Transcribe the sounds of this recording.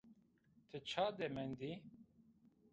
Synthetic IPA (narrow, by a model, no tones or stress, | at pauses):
t̪ʰɨt͡ʃʰaːd̪emɛnd̪i